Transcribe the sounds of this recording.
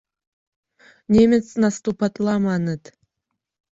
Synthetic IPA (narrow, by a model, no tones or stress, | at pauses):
nʲemʲɘt͡snɑst̪upɑt̪lɑmɑnət̪